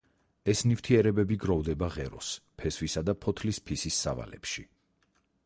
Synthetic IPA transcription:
ɛsnift̪ʰiɛɾɛbɛbiɡɾɔvd̪ɛbaʁɛɾɔspʰɛsvisad̪apʰɔt̪ʰlispʰisisːa̰va̰lɛ̰pʃi

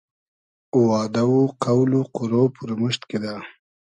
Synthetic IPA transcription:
wɑːd̪awuqawluquɾopuɾaməʃt̪ked̪a

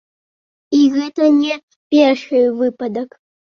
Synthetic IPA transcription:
iɣɛt̪ɐnʲɛ | pʲɛrʂɨvɨpɐd̪ɐk

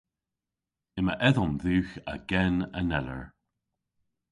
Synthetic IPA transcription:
ɪməʔɛðɔmðʉːxə̰ɡɛnənɛlə̰ɹ

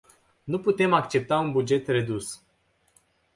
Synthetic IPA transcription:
nuput̪e̞mak̚t͡ʃe̞p̚t̪aunbud͡ʒe̞t̪re̞d̪us

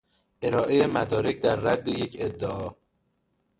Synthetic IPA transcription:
ʔe̞ɾɒːʔejemæ̰d̪ɒːɾe̞cʰd̪æɾːæd̪ːejecʰed̪ːeʔɒː

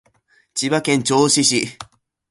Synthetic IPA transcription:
t͡ɕiβakẽnt͡ɕoːɕiɕi

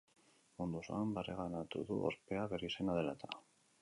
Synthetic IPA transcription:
ond̪osoambareɣanat̪uðṵʔo̰ɾpe̞aβeɾisenað̞e̞lat̪a

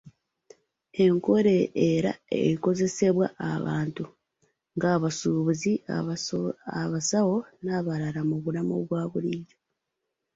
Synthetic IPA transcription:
e̞ŋkoɾe̞eɾa̰ḛɾiko̞ze̞se̞βwa̰ʔaβa̰ːntu | ŋɡaːβasuβuzi | aβasaɣo̞naβaɾaɾamuβulamo̰βwaːβulize

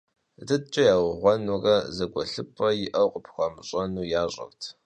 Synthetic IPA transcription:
dɨt͡ʃʼɐjaːwʁʷɔnɔrɐzɐɡʷɐɬɨpʰʼːɐjɪʔɐwqʼəpʰxʷɐmɕʼɐnuːjaːɕʼɐ̰rtʰ

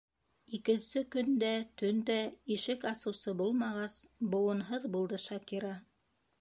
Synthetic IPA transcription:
ikɘ̆nsɘkɵ̆nd̪æt̪ɵnd̪æiʃɘkɑsɤ̆wsɤbulˠmɑʁɑsbŏwɤ̆nɦɤðbulˠd̪ɤʃɑkiɾɑ

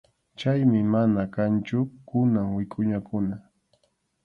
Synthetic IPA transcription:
t͡ʃajmɪmanakant͡ʃʊkʊnaŋwɪkʼʊɲakʊna

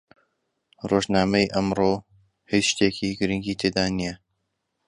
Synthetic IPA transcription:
roʒnaːmɐjʔɐmroː | hiʃt̪eːkʰiːɡɨɾɨŋɡiːt̪ʰeːd̪aːnijɛ

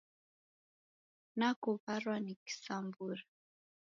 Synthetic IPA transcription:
nakuβaɾwaniki̥sambuɾa

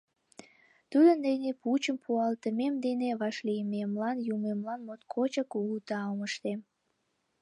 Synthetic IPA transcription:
t̪ud̪ənd̪eneput͡ɕəmpʰuɑlt̪əmemd̪eneβɑʃlijəmemlɑnjumemlɑnmot̪kʰot͡ɕəkuut̪ɑoməʃt̪em

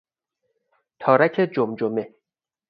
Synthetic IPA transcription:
t̪ʰɒːɾæcʰed͡ʒomd͡ʒome

